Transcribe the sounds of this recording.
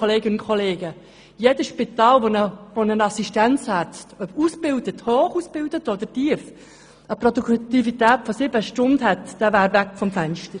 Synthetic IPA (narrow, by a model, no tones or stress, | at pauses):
oleːɡɪnʊnkʰoleːɡə | jedəsʃpit̪ɑːlʋonəvonənɑsiʃtænt͡shætt͡stœpusbɪldəthoːχuːsb̥ɪldətod̥̪ətiːəf | əprɔduktifitæːtfɔsɪbəʃtʊndhɛtd̥ɛvæːɾvækfɔmfænʃtəɾ